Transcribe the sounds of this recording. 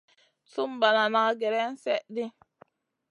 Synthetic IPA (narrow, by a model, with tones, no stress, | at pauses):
su˦mba˨na˨na˨˦ɡe˨ɾɛ˦n̩˦sɛ˦ʔdi˦